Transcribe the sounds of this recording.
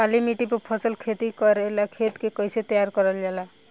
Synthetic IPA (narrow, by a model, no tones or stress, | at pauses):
kalimiʈipɔpʰɔsəlkʰet̪ikɔɾelakʰet̪kekɔjset̪jaɾkɔɾəld͡ʒala